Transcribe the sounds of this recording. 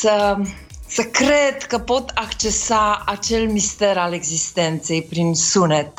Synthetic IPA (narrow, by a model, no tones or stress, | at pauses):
sə | səkɾed̪kəpot̪akt͡ʃesaat͡ʃelmist̪eɾaleɡzist̪ent̪sejpɾinsunet̪